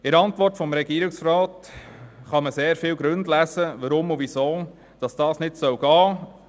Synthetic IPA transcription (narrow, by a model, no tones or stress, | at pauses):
ɪɾɑntʋɔrtfɔmɾɛɡ̥iːɾɪksfɾɑːt | χɑməseːɾfɪːwɡɾɵndlæsəvəɾʊmuvisoː | d̥ɑsd̥ɑːsnɪtsœwɡɑː